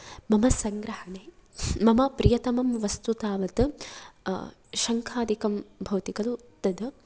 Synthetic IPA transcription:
mɐmɐsɐŋɡɾɐhɐɳeːmɐmɐpɾijɐt̪ɐmɐmʋɐst̪ut̪aːʋɐt̪ɨ | ʃɐŋkʰaːd̪ikɐmbʱɐwt̪ikɐlut̪ːɐd̪ɨ

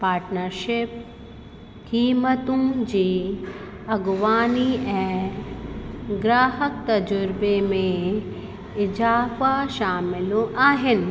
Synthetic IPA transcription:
paːɾʈnəɾʃɪp̚ | kiːmət̪ũd͡ʑiː | ɐɡʋaːniɛ̃ː | ɡɾaːɦək̚t̪ɐd͡ʑʊɾbemẽ | ɪd͡ʑaːfaʃaːmɪloʔaːɦɪnɪ̆

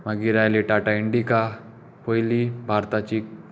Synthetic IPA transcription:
mɐɡiɾaeleʈaːʈaɪɳɖika | poilibʱaːɾt̪at͡ʃi

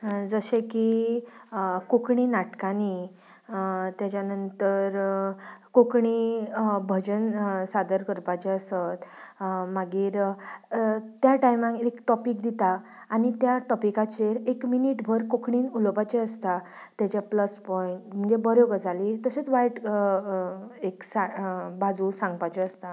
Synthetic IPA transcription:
d͡zəɕeki | kokɳiːnaʈkani | t̪jat͡ɕjanənt̪əɾ | kokɳibʱəd͡ʑənsad̪əɾkəɾpat͡ɕeəsət̪maɡiːɾ | t̪jaʈajmãŋkekʈɔpik̚d̪it̪aː | ñit̪jaʈɔpikat͡ɕeɾekminiʈbʱəɾkokɳiːnulpajt͡ɕeəst̪at̪jat͡ɕjapləspɔiɳʈm̤əɳd͡zebəɾjoɡəd͡zʱalit̪əset͡sʋajʈ | eksabad͡zusãŋɡpajt͡ɕeəst̪a

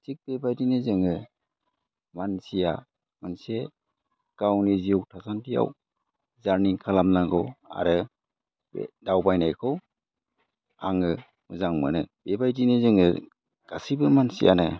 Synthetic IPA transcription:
tik̚bebajdinɯzɯŋɯ | mansija̰ | manse | ɡ̥awnizijɔwtʰasantija̰w | zaɾniŋkʰalamnaŋɡɯwa̰ɾɯ | bḛdawbajnajkʰɯw | aŋɯ | mɯzaŋmɯ̰nɯb̥ebajdinɯzɯŋɯ̰ | ɡ̥asibɯmansḭja̰nɯ

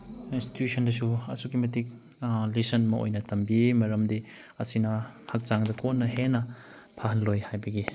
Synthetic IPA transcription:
insti̥tjusʰɐndɐsuɐ̰sukimɐtik̚ | lisɐnmɐʔo̰jnɐtɐmbimɐɾɐmdi | ɐsinɐhak̚t͡ʃaŋdɐkonːɐɦenɐ | pʰaɦɐnlojhajbɐɡi

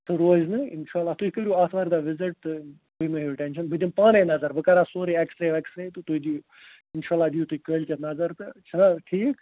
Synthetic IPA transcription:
t̪ɨɾoːznɨɪnʃaːlːaːt̪uikəɾʲijuːaːt̪ʰʋaːɾd̪aːʋɪzɪʈ̚t̪ɨ | kuimɐɦuʈɛnʃ̬ɐnbɨd̪impaːnejnɐzɐɾbɨkɐɾaːsoːɾiɐkst̪ɾeʋɐkst̪ɾeːt̪ɨt̪uid̪i | ɪnʃaːlːaːd̪ijut̪uikəːlʲkʲɐnɐzɐɾt̪ɨt͡ʃʰɐnaʈʰiːk

